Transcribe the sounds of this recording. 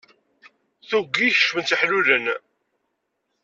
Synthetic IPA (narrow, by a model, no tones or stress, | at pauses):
θuɡiçə̥ʃmənt͡s̪əħluɾən